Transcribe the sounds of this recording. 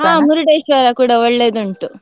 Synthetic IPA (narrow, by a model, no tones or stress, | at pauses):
ɦãːmuɾuɖeːʃaːɾɐkuːɽaoɭːeːd̪uɳʈu